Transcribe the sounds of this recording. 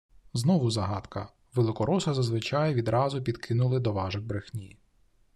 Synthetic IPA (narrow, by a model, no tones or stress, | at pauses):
znɔʋʊzɐɦɑt̪kɐ̰ | ʋelˠɪkɔɾɔsɐzɐzʋɪt͡ʃɑjʋʲid̪ɾʔɑzʊpʲid̪kʰɪnʊlˠɪd̪ɔʋɑʒɪɣbɾɪxnʲij